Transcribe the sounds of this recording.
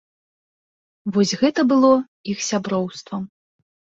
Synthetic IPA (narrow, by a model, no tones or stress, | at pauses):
vɔsʲɣɛt̪ɐbɨlˠɔ | ixsʲabɾɔwst̪vɐ